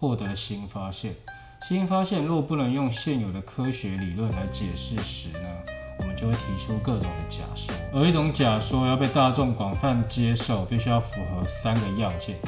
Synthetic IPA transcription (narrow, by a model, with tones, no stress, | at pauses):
xwɔ˥˩t̪ɤ˧˥lə˨˧ɕi˥nfa˥ɕjɛ˥˩n | ɕi˥nfa˥ɕjɛ˥˧nlwɔ˥˧pu˥˩nə˧˥ŋjʊ˥˧ŋɕjɛ˥˩njo˨˩d̪ə˦kʰɤ˥ɕɥɛ˧˥li˨˩lwə˥˩˨nla˧˥ɪt͡ɕjɛ˨˩ʂɻ̩˥˩ʂɻ̩˧˥˦nə˧˦wɔ˨˩mə˦t͡ɕo˥˧xwe˥˩t̪ʰi˧˥ʈ͡ʂʰu˥kɤ˥˩ʈ͡ʂʊ˨˩ŋd̪ə˦t͡ɕja̰˨˩ʂu˥˩ə˧˥i˥˩ʈ͡ʂʊ˧˥ŋt͡ɕja˨˩ʂwɔ˥jɑ˥˧ʊp̬e˥˧ɪt̪a˥˧ʈ͡ʂʊ˥˩ŋkwɑ˨˩ŋfa˥˩nt͡ɕjɛ˥ʂo˥˩ʊpi˥˧ɕy˥jɑ˥˩ʊfu˧˥xɤ˧˥sa˦nɡə˨jɑ˥˧ʊɕɛ˥˩n